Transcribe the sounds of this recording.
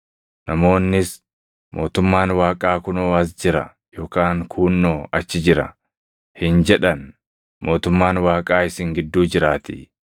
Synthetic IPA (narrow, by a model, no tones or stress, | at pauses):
nɐmo̞ːnːɪs | mo̞ːt̪ʊmːaːnwaːkʼaːkʊnoːɐs̬d͡ʒɪɾɐ̰ | jo̞ːkaːŋkʰuːnːoːʔɐt͡ʃːɪd͡ʒɪɾɐ̰ | hɪnd͡ʒɛᶑɐn | mo̞ːt̪ʊmːaːnwaːkʼaːɪsɪŋɡɪd̪ːuːd͡ʒɪɾaːt̪ɪ̰